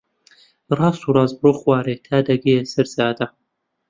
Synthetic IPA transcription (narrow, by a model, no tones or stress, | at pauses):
rˤɑːst̪uːrɑːzbroːxwaːɾeːt̪ʰaːd̪ɐɡejesɐɾzaːd̪ɐ